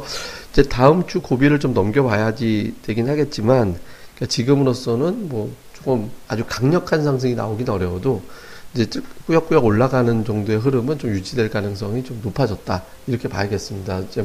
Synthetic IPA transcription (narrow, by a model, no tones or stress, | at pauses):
id͡ʑe̞taɯmt͡ɕʰukobiɾɯɭt͡ɕomnʌmɡjʌbajad͡ʑit͡ɕeɡinɯnɦaɡe̞t̚t͡ɕ͈iman | k͈at͡ɕiɡɯmɯɾos͈ʌnɯnmwʌt͡ɕ͈okɯma̰d͡ʑukaŋɲʌkʰansʰaŋs̬ʰeŋina̰oɡinʌɾjʌdoid͡ʑe̞t͡ɕɯk̚k͈ujʌk͈ujʌɡoɭːaɡanɯnd͡ʑʌŋdoe̞ɦɯɾɯmɯnt͡ɕomjud͡ʑidweɭkanɯŋs̬͈ʰʌŋit͡ɕomnopʰad͡ʑʌt̚t͈a | iɾʌkʰe̞pa̰jɡe̞s͈ɯmɲidaid͡ʑe̞